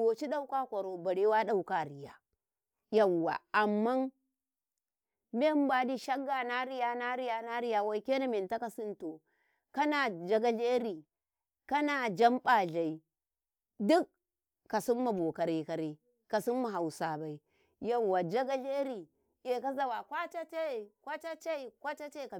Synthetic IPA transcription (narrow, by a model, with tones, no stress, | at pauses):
o˨t͡ʃi˦ɗa˦u˦ka˦kʷa˨ɾo˨ba˨ɾe˦wa˦ɗa˦u˦ka˦˨ɾi˨ja˨ | ja˨wːa̰˨a˨mːa˦n | me˦m˦ba˨di˦ʃa˦ɡa˨na˦ɾi˦ja˦na˦ɾi˦ja˨na˦ɾi˦ja˨wa˦i˦ke˦na˦me˨nta˦ka˨si˦nto˨ | ka˦na˨d͡ʒa˦ɡa˦ɮe˦ɾi˨ | ka˦na˨d͡ʒa˦mɓa˨ɮa˨i˨ | du˦kː | a˨si˦mːa˨bo˨ka˨ɾi˨ka˨ɾi˨ | ka˨si˦mːa˨ɦa˨u˨sa˨ba˨i˨ | ja˨wːa˨d͡ʒa˦ɡa˦ɮe˦ɾi˨ | je˨ka˦za˨wa˨kʷa˦t͡ʃa˦t͡ʃe˦˨kʷa˦t͡ʃa˦t͡ʃe˦i˨kʷa˦t͡ʃa˦t͡ʃe˦˨ka˨